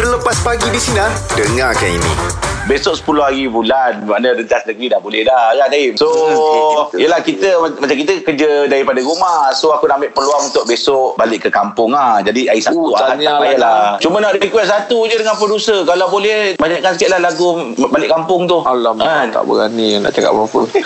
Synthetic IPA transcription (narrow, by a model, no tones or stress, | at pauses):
ələpaspaɡidisinadəŋakanḭnḭ̃besʊʔsə̥pulʊɦhaɾibulanmanaɾənt̪asnəɡɾidahbolɛhdakanaiso | ijəlahkit̪əamat͡ʃamkit̪əkərd͡ʒədaɾipadaɾumahsoakunaamɪʔpəluaŋunt̪ʊʔ̚besoʔbalɪʔkːəkampʊŋahd͡ʒadiaisauaaaaajaʔlat͡ʃumənaʔdəɾikwɛsat̪ud͡ʒədəŋãnpədusəkalabolɛhbaɲaʔkansə̥kiaʔlalaɡubalɪʔkampʊŋt̪ʊhalamat̪a̰ʔbə̰ɣanina̰ʔt͡ʃaka̰ʔkapʊ̰ŋ